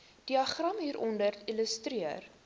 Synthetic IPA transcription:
d̥iɐχrɐmɦiːɾʔɔndəriləstriər

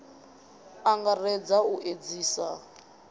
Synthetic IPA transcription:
aŋɡarɛd͡zauʔed͡ziːsa

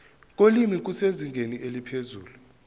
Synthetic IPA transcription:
k̬ʼolimik̬useziŋɡʱeniʔelipʰezuːlu

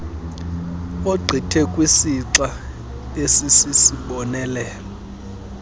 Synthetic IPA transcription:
oɡ͡ǀʱitʰɛkʼwisiǁa | esisisiɓɔnɛːlɛ

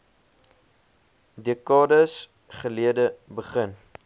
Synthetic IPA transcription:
dekɑːdəs | χəliədəbəχən

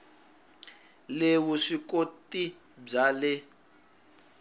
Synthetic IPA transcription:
lewuʂikotʼi | b͡ʐalɛ

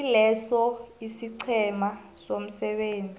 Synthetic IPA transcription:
ilɛsɔisiǀʰɛma | som̩sɛɓeːnd͡zʱi

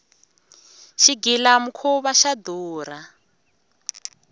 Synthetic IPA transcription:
ʃiɡilamukʰuβaʃad̪uːra

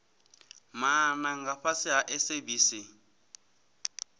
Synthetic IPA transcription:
manaŋɡaɸasɪɦaʔɛsebiːsi

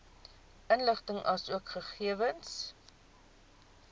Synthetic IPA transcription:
ʔənləχtəŋʔɐsuəkχəχiəvəns

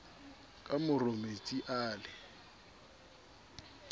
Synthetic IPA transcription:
kʼamʊromet͡sʼiʔaːlɪ

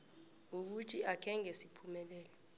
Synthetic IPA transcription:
uk̬utʰiakʰɛŋɛsipʰumɛlɛːlɔ

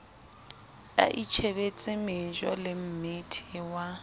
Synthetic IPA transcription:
a̰ʔit͡ʃʰebet͡sʼɪmɪd͡ʒɔ̰lɪm̩mɪtʰɪwa

